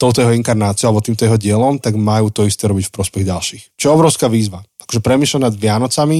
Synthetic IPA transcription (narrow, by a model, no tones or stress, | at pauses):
t̪ɔʊt̪ɔjɛɦɔiŋkaɾnaːt͡siɔalɛbɔt̪iːmt̪ɔjɛɦɔɟɪɛlɔmt̪aɡmajuːt̪ɔist̪ɛːɾɔbicfpɾɔspɛɣɟalʃiːxt͡ʃɔjɛɔbɾɔʊskaːʋiːzʋaakɔ̥ʒɛpɾɛmiːslɛnad̪ʋɪanɔt͡sami